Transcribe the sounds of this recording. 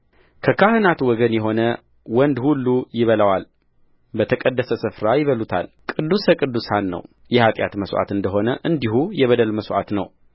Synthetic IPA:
kʰəkʰahɨnat̪wɔɡənjɛɦo̞nə | wɔnd̪hulːujɪβələwal | bət̪ʰəkʼəd̪ːəsəsɨfɾajɪβəlut̪ʰa̰lkʼɨd̪ːusəkʼɨd̪ːusanːə̰w | jɛhat̪ʼja̰t̪məsʔa̰t̪ɨnd̪əɦo̞nəʔɨnd̪iɦujɛβəd̪əlməsʔa̰t̪nə̰w

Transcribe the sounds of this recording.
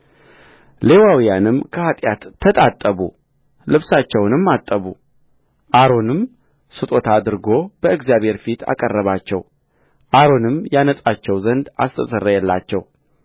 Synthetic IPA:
le̞wawijanɨmkʰəhat̪ʼjat̪ʰːət̪ʼat̪ʼːəβṵ | lɨβsat͡ʃːɛwnɨmːat̪ʼːəβu | ʔaɾo̞nɨm | sɨt̪ʼo̞t̪ʰad̪ɨɾɡo̞bəɨɡzjaβhe̞ɾfit̪ʰa̰kʼərːəβat͡ʃːɛw | ʔaɾo̞nɨmjanət͡sʼat͡ʃːɛwzənd̪a̰st̪ʰəsərːəjɛlːat͡ʃːɛw

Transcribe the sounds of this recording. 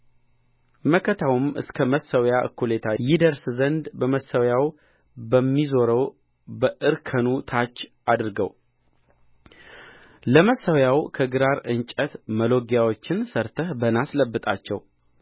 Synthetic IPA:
məkʰət̪ʰawumɨ̰skʰəməsəwjaʔɨ̰kːulet̪ʰajɪd̪əɾszənd̪bəməsəwjaw | bəmːizo̞ɾəw | bəʔɨɾkʰənut̪ʰat͡ʃːʔad̪ɨɾɡə̰w | ləməsəwjawkʰəɡɨɾaɾɨnt͡ʃʼət̪məlo̞ɡjawo̞t͡ʃːɪnsəɾt̪ʰəhbənasləbːɨt̪ʼat͡ʃːɛ̰w

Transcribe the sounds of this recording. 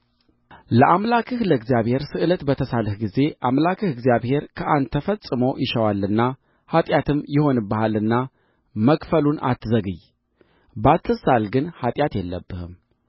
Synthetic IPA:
ləʔamlakʰɨhləɡzjaβhe̞ɾsɨʔɨlət̪bət̪ʰəsalɨhɡize̞ʔamlakʰɨhɨɡzjaβhe̞ɾkʰəʔand̪t̪ʰːəfəsʼɨmowʔɪʃəwalːɨnːa | hat̪ʼjat̪ʰɨmjɪho̞nɨbahalɨnːa | məkʼfəluna̰t̪ːzəɡɨj | bat̪ʰːɨsalɡɨnhat̪ʼjat̪jɛlːə̰bːɨhɨm

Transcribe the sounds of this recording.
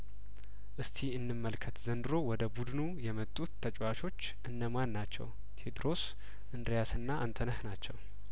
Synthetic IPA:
ʔɨst̪ʰiɨnːɨmːəlkʰət̪zənd̪ɨɾo̞wɔd̪əbud̪nujɛmət̪ʼːut̪ʰːət͡ʃʼwaʃo̞t͡ʃːʔɨnːəmanːat͡ʃːɛ̰w | t̪ʰed̪ɾo̞s | ʔɨnd̪ɾjasɨnːaʔant̪ʰənəhnat͡ʃːɛw

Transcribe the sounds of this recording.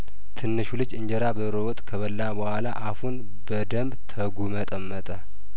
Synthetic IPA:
t̪ʰɨnːɨʃulɨd͡ʒɨɲd͡ʒəɾabəɾəwɔt̪ʼkʰəβəlːabəhʷwʷala̰ʔahun | bəd̪əmbt̪ʰəɡumət̪ʼəmːət̪ʼə

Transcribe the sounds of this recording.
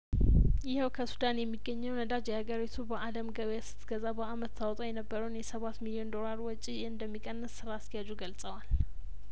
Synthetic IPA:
jɪhɛwkʰəsud̪anjɛmːiɡːəɲːɛwnəd̪ad͡ʒjɛhaɡəɾit̪ʰubəʔaləmɡəβjasɨ̥t̪ʰːɡəzabəamət̪ːawt̪ʼojɛnəbːəɾəwnjɛsəβat̪milio̞nd̪o̞laɾwɔt͡ʃʼijɛɨnd̪əmːikʼənːəsːɨɾaːst̪ʰəjad͡ʒuɡəlsʼəwal

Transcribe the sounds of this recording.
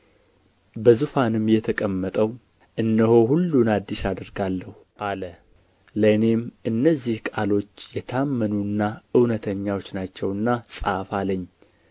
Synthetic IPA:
bəzufanɨmjɛt̪ʰəkʼəmːət̪ʼəw | ʔɨnːəho̞hulːunad̪ːiʃad̪əɾɡalːəhu | ʔalə | ləne̞mʔɨnːəzːihkʼalo̞t͡ʃːjɛt̪ʰamːənunːaɨwnət̪ʰəɲːawo̞t͡ʃːnat͡ʃːɛwɨnːasʼa̰faləɲː

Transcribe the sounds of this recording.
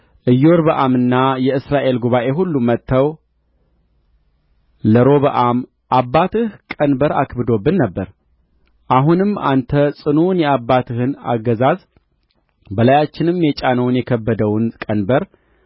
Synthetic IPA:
ʔɨjːoɾbəʔamɨnːajɛɨsɾaʔe̞lɡuβaʔe̞ɦulːumət̪ʰːəw | ləɾo̞βəʔam | ʔabːat̪ʰɨhkʼənbəɾa̰kʰbɨd̪o̞bːɨnːəbːəɾ | ʔaɦunɨmːa̰nt̪ʰəsʼɨnunjɛabːat̪ʰɨhɨna̰ɡːəzaz | bəlajat͡ʃːɪnɨmjɛt͡ʃʼanəwnjɛkʰəbːəd̪əwnkʼənbəɾ

